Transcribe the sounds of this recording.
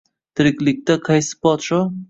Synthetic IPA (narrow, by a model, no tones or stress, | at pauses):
t̪ʰɪɾɪkʲlɪk̚ʲt̪aqʰɑjsɪ̥pɒt̪ʃɔ